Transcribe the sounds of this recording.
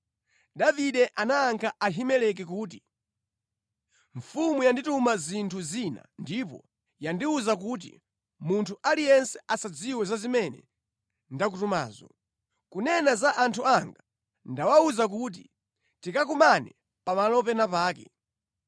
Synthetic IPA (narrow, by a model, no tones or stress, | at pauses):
daviɗɛʔanaːŋkʰaaɦimɛlɛk̬ɛkuːt̬i | ɱfumujanditumazintʰuzina̰ndipɔ̰ | jandiuzak̬uːt̬ḭ | muntʰuʔalijɛnsɛʔasad͡ziwɛzazimɛnɛ̰ | ndak̬utuma̰ːzɔ̰ | kunɛnazaʔantʰuaŋɡa | ndawauzak̬ut̬i | tikakumanɛ | pamalɔpɛnapaːkɛ̰